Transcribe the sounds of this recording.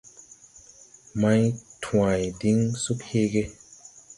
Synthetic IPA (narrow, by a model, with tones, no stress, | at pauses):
ma˦jtʰwã˨jdi˨˦ŋsu˦khe˦ɡe˦